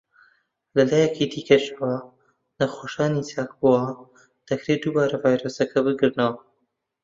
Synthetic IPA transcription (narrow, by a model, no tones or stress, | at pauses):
lɐlaːjɛkʰid̪iːkɐʃɐwɐ | nɐxoːʃaːnit͡saːk̚buwɐ | d̪̥ɐkɾeːd̪uːbaːɾɐvaːjɾosɐkʰɐbɨɡɨɾnɐwɐ